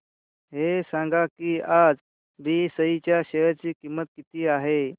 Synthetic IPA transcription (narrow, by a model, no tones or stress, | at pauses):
ɦesãŋɡakiad͡z | biːsəɦit͡ɕjaɕəəɾt͡ɕiːkimːət̪̚kit̪iːaɦe